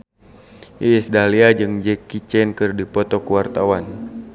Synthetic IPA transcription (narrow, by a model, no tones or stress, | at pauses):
ʔiɛsdaliad͡ʒɨŋd͡ʒɛkit͡ʃɛnkɨrdipɔt̪ɔkuwart̪awan